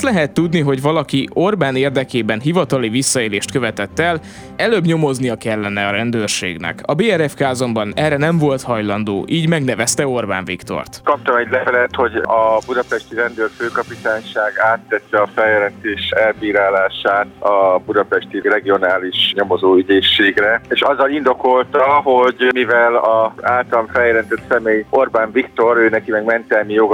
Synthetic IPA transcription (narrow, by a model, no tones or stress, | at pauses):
t̪lɛɦɛt̪ːud̪niɦo̞ɟvɒlɒkiorbaːneːrd̪ɛkeːbɛnɦivɒt̪ɒlivisːɒeːleːʃt̪køvɛt̪ɛt̪ːɛl | ɛløːbɲo̞mo̞znijɒkɛlːɛnɛɒɾɛnd̪øːrʃḛːɡnɛ̰kɒbeːɛɾɛfkaːzo̞mbɒnɛrɛnɛɱvo̞lt̪hɒjlɒnd̪o̰ːʔiːɟmɛɡnɛvɛst̪ɛo̞rba̰ːɱvikt̪o̰rt̪kɒp̚t̪ɒmɛɟlɛvɛlɛt̪ho̞ɟɒbud̪ɒpɛʃt̪iɾɛnd̪øːrføːkɒpit̪aːɲʃaːɡaːt̪ːɛt̪ːɛɒfɛljɛlɛnt̪eːʃɛlbiːɾaːlaːʃaːt̪ɒbud̪ɒpɛʃt̪irɛɡio̞naːliʃɲo̞mozoːyɟeːʃːeːɡrɛeːʃɒzːɒlind̪o̞ko̞lt̪ɒho̞ɟmivɛlɒaːlt̪ɒmfɛljɛlɛnt̪ɛt̪sɛmeːjʔo̞rbaːɱvikt̪o̞ɾøːnɛkimɛɡmɛnt̪ɛlmijoɡ